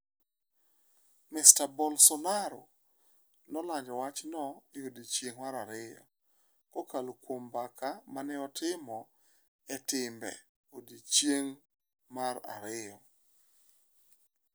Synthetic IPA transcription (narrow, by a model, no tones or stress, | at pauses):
mɪstabɔlsɔnaɾo | nɔlaɲd͡ʒɔwat͡ʃnɔeodit͡ʃjeŋmaɾaɾɪjɔ̰ | kɔkalokwombakamanɪɔtɪmɔ | ɛtɪmbɛ̰ | odit͡ʃjeŋ | maɾa̰ɾɪjɔ